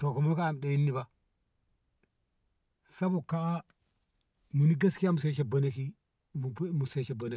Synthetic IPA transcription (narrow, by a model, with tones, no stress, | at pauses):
to˨ko˨mu˦ka˦a˨m˨ɗe˨ji˦nːi˦ba˦ | sa˦bu˨ka˨a˦ | mu˨ni˦ɡa˦ski˦ja˦mu˨se˦ʃe˨bɐ˨ne˦ki˦ | m˨˦mu˨se˦˨t͡ʃe˨bɐ˨ne˦